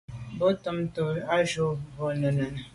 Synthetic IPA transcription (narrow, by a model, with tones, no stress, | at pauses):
bo˦tə˨mto˨a˦ʒo˦bo˨nə˨nə˨n˨